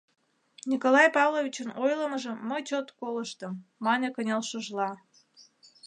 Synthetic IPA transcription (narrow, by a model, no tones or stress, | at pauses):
nʲikolɑjpɑvlovʲit͡ɕənojləməʒəːəjt͡ɕot̪koləʃt̪əmːɑnʲekənʲelʃəʒlɑ